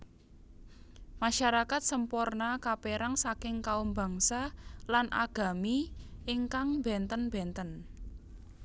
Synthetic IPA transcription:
maʃaɾakat̪̚səmpornakapeɾaŋsakɪŋkaumba̤ŋsalanʔa̰ɡ̥a̤miɪŋkaŋbɛ̤nt̪ənb̥ɛnt̪ən

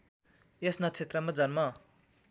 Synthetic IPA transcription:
esnʌt͡sʰet̪rʌmʌd͡zʱʌnma

